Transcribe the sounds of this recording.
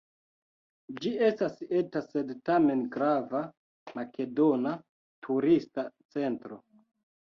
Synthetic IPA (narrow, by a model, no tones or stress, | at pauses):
d͡ʒie̞stase̞tase̞dtame̞nɡɾava | make̞do̞na | tʰuɾistat͡se̞ntɾo̞